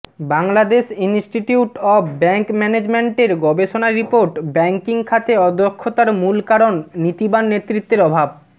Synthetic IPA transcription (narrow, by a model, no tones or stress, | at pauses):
baŋlad̪eʃinsʈiʈiuʈɔbbɛŋkmɛned͡ʑmeɳʈeɾɡɔbeʃonaɾːipoɾʈbɛŋkiŋkʰat̪eɔd̪okʰːot̪aɾmulkaɾonːit̪ibanːet̪ːɾit̪ːeɾɔbʱab